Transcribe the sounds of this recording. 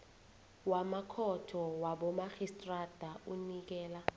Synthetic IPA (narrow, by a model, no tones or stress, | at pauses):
wamakʰɔtʰɔwaɓɔmaxistʼrad̥ʱaunik̬ɛːla